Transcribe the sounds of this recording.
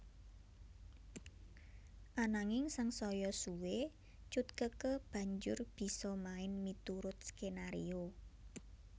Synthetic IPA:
ʔanaŋɪŋsaŋsɔjɔsuwe | t͡ʃut̪̚kəkəb̥ä̤ɲd͡ʒʊrb̥i̤sɔmaɪnmit̪uɾʊt̪̚skenaɾḭo

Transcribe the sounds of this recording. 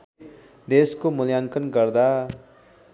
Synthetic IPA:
d̪eskomuljaŋkʌnɡʌrd̪a

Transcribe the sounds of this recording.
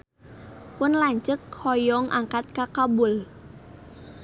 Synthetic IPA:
pʊnlaɲt͡ʃəkhɔjɔŋʔa̰ŋkat̪̚kakabʊl

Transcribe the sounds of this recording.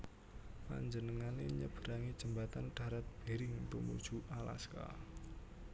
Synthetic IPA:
pa̰ɲd͡ʒənəŋaneɲəb̥əɾaŋid̥ʒ̥ə̤mbat̪anɖ̥a̤ɾat̪̚b̥e̤ɾɪŋt̪ṵmṵd̥ʒ̥ṳʔala̰ska̰

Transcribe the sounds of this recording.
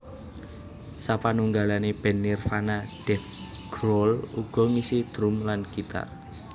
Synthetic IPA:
sapanuŋɡalaneb̥ɛ̤nːirfanaɖ̥ɛf | ɡ̥ɾɔluɡ̥ɔ̤ŋisid̪̥ɾumlankit̪a̰

